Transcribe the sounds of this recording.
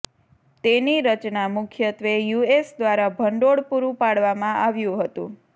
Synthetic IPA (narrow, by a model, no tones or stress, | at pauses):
t̪eniɾət͡ʃnamʊkʰjət̪ʋejuesd̪ʋaɾabʱəɳɖoɽpuɾũpaɽʋamãʔaʋjũɦət̪ṵ̃